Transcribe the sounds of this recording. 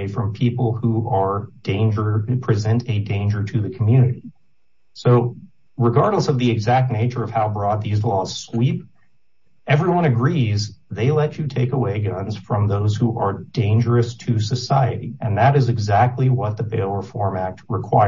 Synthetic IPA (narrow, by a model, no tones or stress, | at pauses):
ɪfɹʌ̃mpʰipl̩ˠhuʔə˞d̥ẽɪ̃nd͡ʒə˞pʰɹ̥izɛ̃ntʰɨdẽɪ̃nd͡ʒə˞ɾɨðɨkʰm̩jʉnɨɾi | soʊ | ɹɨɡɑɹdˡləsʌvðiɨɡzæk̚tⁿneɪt͡ʃə˞ʌv̥haʊbɹɔd̪̚ðizbɔz̥swip | ʔɛvɹiwʌ̃ñɨɡɹizðeɪlɛt͡ʃɨtʰeɪkəweɪɡʌ̃nz̥fɹʌ̃mðoʊz̥huʔə˞dẽɪ̃nd͡ʒə˞ɨstʰɨsɨsaɪɨ̰ɾḭɨ̃nðɨɾɨzɨɡzæk̚tʰˡliwʌt̪̚ðəbeɪlˠə˞fɔɹmæk̚t̚ɹɨkʰw̥aɪ